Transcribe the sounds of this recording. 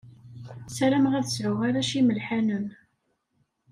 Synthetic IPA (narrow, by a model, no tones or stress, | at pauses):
sɾæmʁæðəsʕʊʁaɾaʃiməlħænən